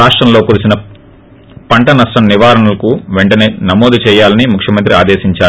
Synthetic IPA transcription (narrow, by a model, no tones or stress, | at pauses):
aːʂʈɾɐmlo̞ːkuːɾisinɐ | pɐɳʈɐnɐʂʈɐmniʋaːɾɐɳulɐkuʋeɳʈɐne̞ːnɐmoːd̪ut͡ʃɛːjaːlɐnimukʰjɐmɐnt̪̬ɾiaːd̪eːʃiɲt͡ʃaː